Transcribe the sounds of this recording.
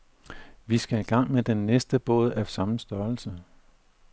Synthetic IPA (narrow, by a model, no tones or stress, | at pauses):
ʋisɡ̥ææɡ̥ɑ̈ŋ̰med̥enːesd̥əb̥ɔ̰̽ːð̞ˠæsɑ̈mn̩sd̥ɶɐl̩sə